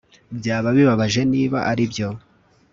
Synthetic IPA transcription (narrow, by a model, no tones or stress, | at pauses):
bjaːβaβiβaβaʒe̞niːβaʔaɾibjo̞